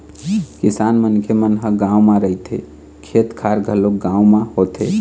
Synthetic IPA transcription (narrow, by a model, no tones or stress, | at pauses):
kisanmənkʰemənɦəɡãumãɾəit̪ʰḛ | kʰet̪kʰaɾɡʱəloɡãwmãhot̪e